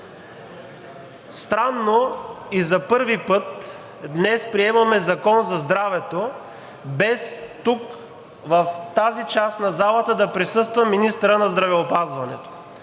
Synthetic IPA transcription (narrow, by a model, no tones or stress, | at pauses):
st̪ɾanːoizɐpɤɾvipɤt̪ | d̪nɛspɾiɛmɐmɛzɐkɔnzɐzd̪ɾavɛt̪o | bɛst̪uk | vɐft̪azit͡ʃast̪nɐzalˠət̪əd̪ɐpɾisɤst̪vɐminist̪ɾənɐzd̪ɾɐvɛopazvɐnɛ̰t̪o̥